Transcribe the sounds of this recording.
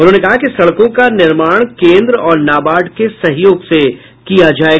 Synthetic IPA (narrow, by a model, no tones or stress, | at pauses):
ʊnɦõːnekɐɦakisɐɽkõkanɪɾmaːɽ̃kẽːnd̪ɾɔːɾnaːbaːɖkesɐɦjoːɡse | kijad͡ʒaːeː